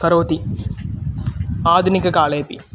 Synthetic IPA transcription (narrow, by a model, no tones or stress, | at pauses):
kɐɾoːt̪i | aːd̪ʱunikːɐkaːleːpḭ